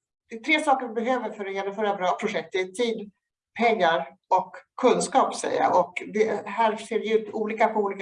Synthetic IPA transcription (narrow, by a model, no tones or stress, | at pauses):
d̪̥ɛɛt̪ʰɾeːsɑːkəɾɪbɛɦøːvəɾfœɾɔjɛnɔmfœːɾabɾɑːpʰɾʊʂɛk̚t̪ɪt̪ʰiːd̪ | pʰɛŋːaɾ | ɔkʰːɵnskɑːpsɛ̰jːa̰ʔɔkd̪ɛhæːɾseːvɛjʉ̟ːt̪uːliːkapʰɔuːliːk